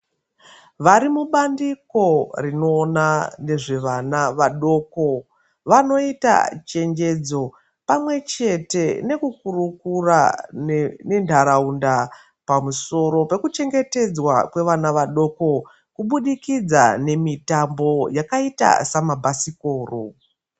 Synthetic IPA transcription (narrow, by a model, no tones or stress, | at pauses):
ʋaɾimuɓandiko̞rino̞ːnane̞ʐe̞ʋanaʋaɗo̞ko̞ | ʋano̞ita̰t͡ʃe̞ŋd͡ʒe̞d͡zo̞ | pamwe̞t͡ʃe̞te̞ne̞kukurukura̰ | ne̞ntʰaɾaunda | pamuso̞ɾo̞pe̞kut͡ʃe̞ŋɡe̞te̞d͡zwa̰kwe̞ʋanaʋaɗo̞ko̞ | kuɓuɗikid͡za̰ne̞mitambo̞jakaita̰samabʱasikoːro